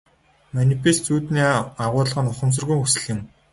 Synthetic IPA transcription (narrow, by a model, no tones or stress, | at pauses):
manʲifest͡suːt̪niːaʁʊːɮʁə̆nʊχə̆ms̬ə̆rɣujxusɘ̥̆ɮɪ̆m